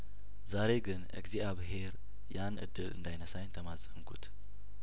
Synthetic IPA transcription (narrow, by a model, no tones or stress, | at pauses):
zaɾe̞ɡɨnʔɨ̰ɡziʔaβɨɦe̞ɾ | janʔɨ̰d̪ːɨlɨ̰nd̪ajnəsajnt̪ʰəmasʼəmkʰṵt̪